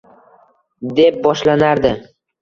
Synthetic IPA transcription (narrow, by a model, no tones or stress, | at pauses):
d̪e̞p̚bɒʃlanaɾd̪ɪ